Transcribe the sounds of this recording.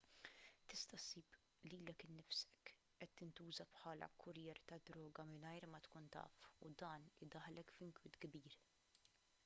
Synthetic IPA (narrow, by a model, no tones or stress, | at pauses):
t̪ɪst̪ɐsiːb | liːlɛkɪnːɪfsɛk | ʔɛt̪ːɪnt̪uːzɐpħɐːlɐ̰kʰʊɾjɛːɾt̪ɐd̪ɾɔːɡɐmɪnɐjɾmɐt̪kuːnt̪ɐ̰ːfud̪ɐːnlɪd̪ɐħlɛkfɪŋkwɪt̪ɡbiːɾ